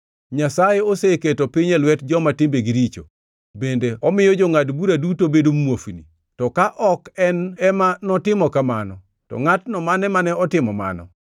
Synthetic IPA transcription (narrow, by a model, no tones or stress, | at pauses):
ɲasajeoseketopiɲɛlwɛtd͡ʒɔmatɪmbeɡiɾit͡ʃo̰ | bendeɔmɪjɔd͡ʒɔŋadbuɾadutobedomwofinḭ | tɔkaʔɔkɛnɛmanɔtɪmɔkamanɔ | tɔ̰ŋatnɔmanɛmanɛɔtɪmɔma̰nɔ̰